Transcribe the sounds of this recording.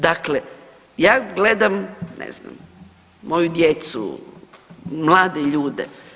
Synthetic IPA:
d̪akle | jaːɡled̪amnḛzna̰m | mo̞jud̪jet̪sṵ | mlˠaːd̪eʎuːd̪ḛ

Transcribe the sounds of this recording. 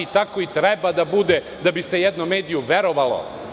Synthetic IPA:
it̪akoit̪ɾɛbad̪abud̪e | d̪abisejɛd̪nomeːd̪ijuʋeɾoʋalo̰

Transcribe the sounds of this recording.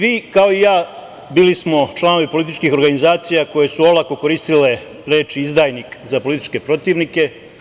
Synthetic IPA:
ʋiːkao̞ijaː | biːlismo̞t͡ʃlˠano̞ʋipolit̪it͡ʃkixo̞ɾɡanizaːt̪sijako̞je̞suo̞lˠako̞ko̞ɾiːst̪ile̞ | ɾe̞ːt͡ʃiizd̪aːjnikzapo̞lit̪i̥t͡ʃke̞pɾo̞t̪iːʋnike̞

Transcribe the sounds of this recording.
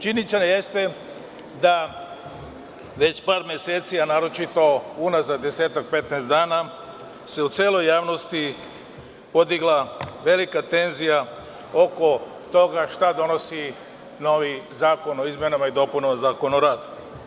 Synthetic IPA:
t͡ʃinit͡ʃ̪eneje̞st̪e | d̪a | ʋe̞t͡ɕpaːɾmʲjeseːt̪sianaːɾo̞t͡ʃit̪o̞unazad̪e̞se̞ːt̪ak̚pe̞t̪neːst̪d̪aːna | se̞ut̪seːlo̞jːaːʋno̞st̪i | po̞d̪iɡlˠaʋe̞likat̪e̞nzija | o̞ko̞ | t̪o̞ɡaʃt̪ad̪o̞no̞si | no̞ʋizaːko̞no̞izmjenamaid̪o̞punomazaːko̞noɾaːd̪u̥

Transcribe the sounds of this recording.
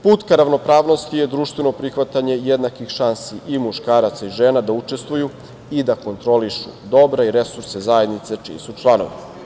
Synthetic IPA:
puːt̪kaɾaʋno̞pɾaːʋno̞st̪ije̞d̪ɾuːʃt̪ʋe̞no̞pɾixʋat̪aɲe̞jed̪nakixʃansiʔimuʃkaːɾat̪saiʒeːnad̪aut͡ʃe̞st̪ʋuju | id̪ako̞nt̪ɾo̞liʃṵd̪o̞bɾaiɾesuɾsezajed̪nit̪se̞t͡ʃḭḛsut͡ʃlˠano̰ʋḭ

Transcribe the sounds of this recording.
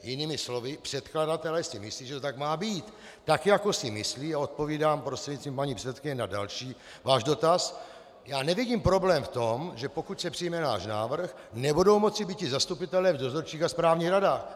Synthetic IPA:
jɪniːmɪslo̞vɪpr̝̥ɛt̪kladat̪ɛlɛsɪmɪsliːʒɛt̪ot̪aɡmaːbiːt̪ː | akjako̞sɪmɪsliːaot̪̚poviːdaːmpɾost̪r̥ɛɟɲist͡st̪vimpaɲiːpr̥ɛt͡sɛt̪kɪɲɛnadalʃiː | vaːʒdo̞t̪as | jaːnɛvɪɟiːmpɾo̞blɛːmft̪o̞mʒɛpo̞kucsɛpr̥ɪjmɛna̰ːʃna̰ːvr̩x | nɛbudo̞wmo̞t͡sɪbiːt̪cɪzast̪upɪt̪ɛlɛvdo̞zoɾt͡ʃiːxaspɾaːvɲiːɣɾadaːx

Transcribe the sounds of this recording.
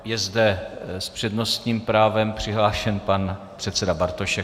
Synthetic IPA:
jɛzdɛspr̝̥ɛdno̞st̪ɲiːmpɾaːvɛmpr̝̥ɪɦlaːʃɛnpanpr̥ɛt̪t͡sɛdabaɾt̪oʃɛ

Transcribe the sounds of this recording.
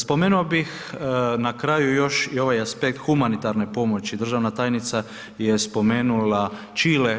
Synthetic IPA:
spo̞meːnuabix | nakɾaːjujo̞ʃio̞ʋajaspek̚t̪xumanit̪aɾnepo̞mo̞t͡ɕid̪ɾr̩ʒaʋnat̪aːjnit̪sa | jespo̞meːnula | t͡ʃiːle

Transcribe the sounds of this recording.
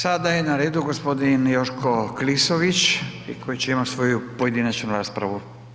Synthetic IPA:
sad̪ajenaɾeːd̪uɡospo̞d̪injoʃkoklisoʋit͡ɕikʰo̞jit͡ɕeimat̪sʋo̞jupoje̞d̪inat͡ɕnuɾaːspɾa̰ʋu

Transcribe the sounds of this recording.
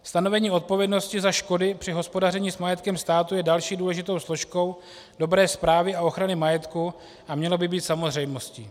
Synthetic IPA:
st̪ano̞vɛɲiːo̞t̪̚po̞vjɛdno̞scɪzaʃko̞dɪpr̥ɪɦo̞spo̞darɛɲiːsmajɛt̪kɛmst̪aːt̪ujɛdalʃiːduːlɛʒɪt̪o̞wslo̞ʃko̞w | do̞bɾɛːspɾaːvɪao̞xɾanɪmajɛt̪ku | ʔamɲɛlo̞bɪbiːt̪samo̞zr̝ɛjmo̞scḭː

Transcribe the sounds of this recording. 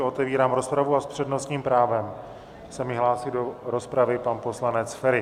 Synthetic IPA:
o̞t̪ɛviːɾaːmɾo̞spɾavuaspr̝̥ɛdno̞st̪ɲiːmpɾaːvɛm | sɛmɪɦlaːsɪdo̞ɾo̞spɾavɪpanpo̞slanɛt͡sfɛɾɪ

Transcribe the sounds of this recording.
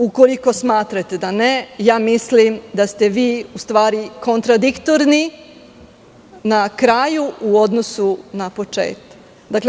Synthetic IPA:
ukoliko̞smaːt̪ɾat̪e̞d̪anejaːmislimd̪ast̪eʋiːust̪ʋaːɾiko̞nt̪ɾad̪ikt̪oɾni | nakɾaːjuuo̞d̪nosunapo̞t͡ʃḛːt̪ḁk | d̪akle

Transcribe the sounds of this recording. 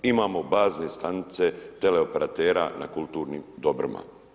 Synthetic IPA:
imaːmo̞baːznest̪anit̪se̞t̪e̞le̞o̞pe̞ɾʔat̪eːɾa̰na̰kulˠt̪uːɾniːmd̪o̞bɾima̰

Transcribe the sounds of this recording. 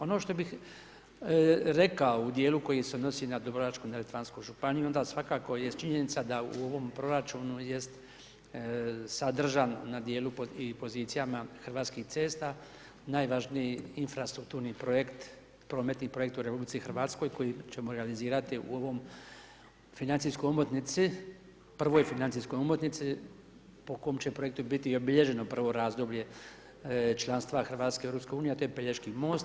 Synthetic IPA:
o̞no̞ːʃt̪o̞bix | ɾe̞kaoud̪je̞ːluko̞jiseono̞sinad̪obɾoʋat͡ʃkunalet̪ʋanskoʒupanijuo̞nd̪asʋakaːko̞jet̪t͡ʃiɲe̞nit̪sad̪aṵo̞ʋo̞mpɾo̞ɾat͡ʃuːnuje̞st̪ | sad̪r̩ʒanːad̪je̞ːlupipo̞ziːt̪sijamaxr̩ʋaːt̪skixt̪se̞ːst̪a | naːjʋaʒnijiinfɾast̪ɾuk̚t̪uːɾnipɾojekt̪ | pɾo̞ːme̞t̪nipɾo̞je̞k̚t̪uɾe̞publit̪sixr̩ʋaːt̪sko̞jko̞jit͡ɕe̞moɾealiziːɾat̪iʔṵo̞ʋo̞m | finant̪iskojumot̪nit̪si | pr̩ʋo̞jfinant̪sisko̞jumot̪nit̪si | pokojomt͡ɕe̞pɾo̞jek̚t̪ubit̪io̞biʎe̞ʒe̞no̞pr̩ʋo̞ɾaːzd̪obʎe̞ | t͡ʃlˠanst̪ʋaxr̩ʋaːt̪skeeɾopskeuːnieat̪ojepeʎeʃkimo̞ːst̪

